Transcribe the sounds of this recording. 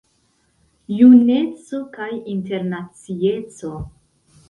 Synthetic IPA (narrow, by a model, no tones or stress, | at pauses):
june̞t͡so̞kajinte̞ɾnat͡sie̞t͡so̞